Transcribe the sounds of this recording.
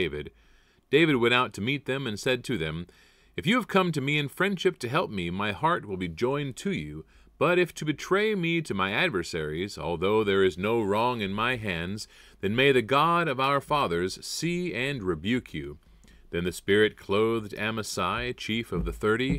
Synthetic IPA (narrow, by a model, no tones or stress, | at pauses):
eɪvɨ̰d̚ | d̥eɪvɨd̚wɛ̃ɾ̃aʊtʰɨmit̪̚ðɨ̃mɨ̃nsɛd̚tʰɨðɨ̃m | ɨfjɨːv̥kʰʌ̃mtɨmiɨ̃nfɹɛ̃nd̥ʃɨp̚tʰɨɦɛlˠp̚mimaɪhɑɹt̚wəlˠbid͡ʒɔ̃ɪ̃ntʰɨjʉ | b̥ʌɾɨftʰɨbɨtʰɹ̥eɪmiɾɨmaɪædvə˞sɛɹizɔ̰lˠðoʊðə˞ɨznoʊɹɔ̃ŋɨ̃nmaɪɦæ̃nzðɨ̃nmeɪðɨɡɑɾʌvaʊə˞fɑðə˞z̥siɨ̃nɹɨbjʉkʰjʉ̰ | ðɨ̃nðɨspɪɹɨt̚kʰl̥oʊðdæməsaɪt͡ʃʰifʌvðɨθɜ˞ɾi